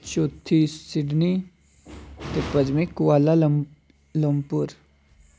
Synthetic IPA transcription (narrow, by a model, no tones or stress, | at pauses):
t͡ʃoːt̪ʰːisɪɖni | t̪epəd͡ʒmẽkʊaːla | ləmpʊɾ